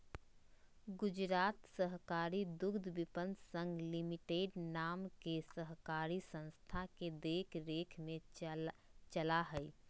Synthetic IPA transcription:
ɡʊd͡ʒɾaːt̪səɦkaːɾid̪ʊɡd̪ʱbɪpə̃nd̪sə̃ŋɡlɪmɪʈeːɖnaːmkesəɦkaːɾisə̃nst̪ʰaked̪eːkʰɾeːkʰmẽ | t͡ʃəlaɦɛi

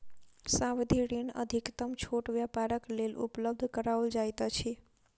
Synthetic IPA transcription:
saʋd̪ʱiɽinə̰d̪ʱikt̪əmt͡ʃʰoʈʋjapaɾəklelṵpləb̚d̪ʱkəɾaəld͡ʒajt̪at͡ʃʰi

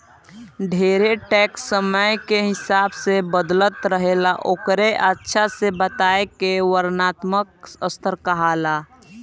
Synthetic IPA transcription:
ɖʱeːɾeʈɛːksːəməjkeɦɪsaːbsebəd̪lət̪ɾəɦelaʔoːkɾeʔətːʃʰasebət̪aːekewəɾnaːt̪məkəst̪ʰəɾkaɦaːla

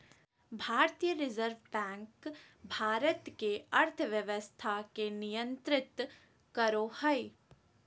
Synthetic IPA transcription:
bʱaːɾt̪ijəɾɪzəɾʋbɛ̃ːŋk | bʱaːɾət̪keɐɾt̪ʰʋjəʋəst̪ʰakenijə̃nt̪ɾɪt̪ | kəɾohəi

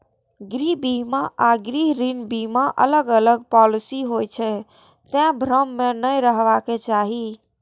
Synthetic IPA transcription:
ɡɾibimaʔaɡɾiɦɾinbimaʔə̰ləɡələɡpɔlisiɦojt͡ʃʰɛ | t̪ẽbʱɾəmːenəjɾəɦʋaket͡ʃaɦi

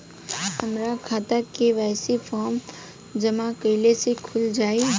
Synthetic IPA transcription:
hɐmɾakʰaːt̪akeʋɛːsefɔːɾm | d͡ʒɐmakəːlesekʰʊld͡ʒaːi

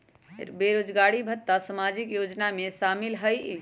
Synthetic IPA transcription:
beɾod͡ʒɡaɽibʱət̪ːasəmad͡ʒikjod͡ʒnamesamilɦəj

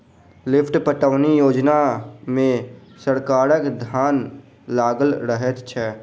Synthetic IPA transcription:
lɪpʰʈpəʈəʋnijoːd͡ʒnamẽ | səɾkaːɾəkd̪ʱjaːn | laːɡəlɾəɦət̪t͡ʃʰɛ

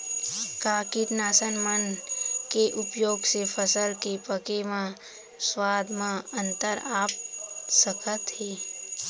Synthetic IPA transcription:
kaːkit̪naːsənmənkeʔʊpjoːɡsepʰəsəlkepəkemã | swaːd̪mãə̃nt̪əɾaːp̚səkʰət̪ɦeː

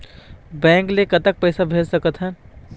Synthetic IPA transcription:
bɛ̃ːŋklekət̪ək̚pəɪsabʱeːlsəkət̪ɦən

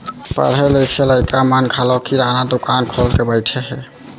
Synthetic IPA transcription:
pə̰ɾɦɛləjkʰeləjkamankʰalɔkiɾanad̪okankʰɔlkebəɪʈʰɛɦɛ

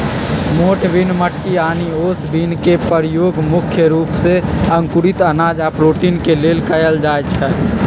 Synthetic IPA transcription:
moʈbʱinməʈːianiosbinkepəɾijoɡmukʰjəɾupseəŋkuɾit̪ənad͡ʒapɾoʈinkelelkəjəld͡ʒajt͡ʃʰɛ

